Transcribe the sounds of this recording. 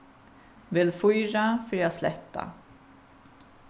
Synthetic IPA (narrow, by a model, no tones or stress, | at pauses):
vɪlfʊjɾafœɾjɑːslɛ̰t̪ːa̰